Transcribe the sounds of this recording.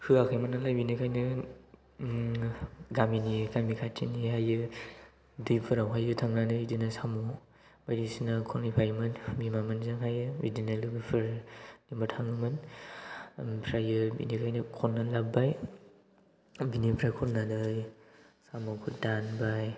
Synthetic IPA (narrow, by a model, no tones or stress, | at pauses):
hʰɯakʰajmanalajbinikʰajnɯ | ɡaminikamikʰatʰḭniɦajɯ | dɯjpʰɯɾawɦajɯtʰaŋnanɯidinasamɔ | bajɾisinakʰɔnipʰajmɯnbimamɯnzɯŋɦajɯḭdinalɯbɯpʰɯɾnimatʰaŋɯmɯn | pʰɾajɯbḭnikʰajnɯkʰɔnːalabaj | binipʰɾajkʰɔnːadɯjsamɔkʰudanbaj